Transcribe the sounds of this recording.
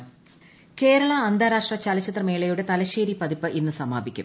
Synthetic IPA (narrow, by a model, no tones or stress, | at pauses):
ke̞ːɾɐɭɐːnd̪ʱaːɾaːʂʈrɐt͡ɕɐlɐt͡ɕːɐt̪rɐmeːɭejuɽe̞t̪ɐlɐɕeːɾipɐðipːɨʔinːɨsɐmaːbikʲːṵm